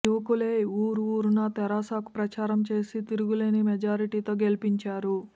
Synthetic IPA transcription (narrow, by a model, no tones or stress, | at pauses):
juʋɐkuleːuːɾuuːɾunɐt̪ɛɾaːsaːku̥pɾɐt͡ʃaːɾɐmt͡ʃe̞ːsit̪iɾuɡuleːnimɛd͡ʒaːɾiʈiːt̪o̞ːɡelipiɲt͡ʃaːɾu